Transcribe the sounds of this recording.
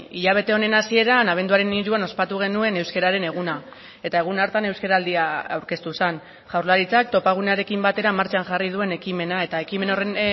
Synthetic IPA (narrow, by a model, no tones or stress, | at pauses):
iʎaβ̞e̞t̪e̞o̞ne̞nasie̞ɾanaβ̞e̞nd̪uaɾe̞niɾuano̞spat̪uɣ̞e̞nue̞ne̞wske̞ɾaɾe̞ne̞ɣ̞una | e̞t̪ae̞ɣ̞unaɾt̪ane̞wskeɾaːld̪iaawɾke̞st̪usan | ʝawɾlaɾit͡sak̚t̪o̞paɣ̞une̞aɾe̞kimbat̪e̞ɾamaɾt͡ʃaŋʝarið̞ue̞ne̞kime̞nae̞t̪ae̞kime̞nore